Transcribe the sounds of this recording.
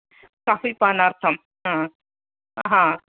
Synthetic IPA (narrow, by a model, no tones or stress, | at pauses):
kaːfipanaːɾt̪ʰɐm | ɦã | ɦã